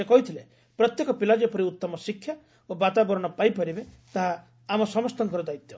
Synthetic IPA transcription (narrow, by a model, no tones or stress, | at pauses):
ekɔɦit̪ʰile | pɾɔt̪jekɔpilad͡ʒɔpɔɾiut̪ːɔmɔsikʰːja | obat̪abɔɾɔɽ̃ɔpajpɔɾibe | t̪aɦaː | mɔsɔmɔst̪ɔŋkɔɾɔd̪ait̪jɔ